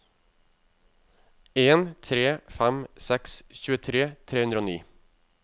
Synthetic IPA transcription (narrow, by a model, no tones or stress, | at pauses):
eːnt̪ʰɾeːfæmsɛksçʉːət̪ʰɾeːt̪ʰeːhʉnd̪ɾoːnḭː